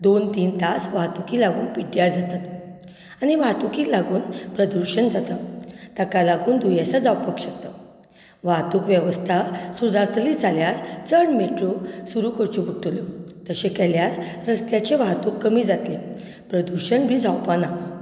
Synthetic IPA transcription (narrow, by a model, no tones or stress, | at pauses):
d̪ont̪iːnt̪asʋat̪ukilaɡuːnpiʈjaɾd͡zat̪at̪ | aniʋat̪ukiːlaɡuːnpɾəd̪uɾɕənd͡zat̪ət̪akalaɡuːnd̪ʱujesad͡zawpəkɕəkt̪ə | ʋaɦt̪uːkʋjeʋəst̪ʰasud̪aɾt̪ʰlid͡zʱaljaɾt͡səɳmiʈɾosuɾukəɾt͡ɕubʱuʈːulot̪əɕekɛljaɾɾəst̪jat͡ɕeʋat̪uːkːəmiːd͡zat̪le | pɾəd̪uɾɕəɳbʱiːd͡zʱawpana